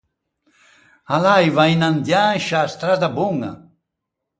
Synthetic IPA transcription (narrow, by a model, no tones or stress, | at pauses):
alajvajnand̪janʃast̪ɾad̪abuŋa̰